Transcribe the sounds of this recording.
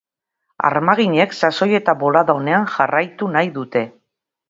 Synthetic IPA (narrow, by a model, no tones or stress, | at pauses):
a̰ɾmaɣ̞iɲe̞ksaso̞je̞t̪aβo̞laðaone̞anʝarajt̪unajðut̪e̞